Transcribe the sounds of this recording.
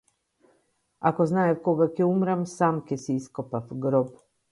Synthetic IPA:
a̰koznaːjefkoɡakeumɾamsaːmkesiiskopafɡɾob

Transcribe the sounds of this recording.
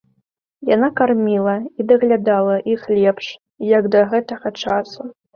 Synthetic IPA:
janakarmʲilˠɐid̪ɐɣlʲad̪alˠɐʔixlʲɛpʂ | jaɡd̪ɐɣɛt̪ɐɣɐt͡ʂasu

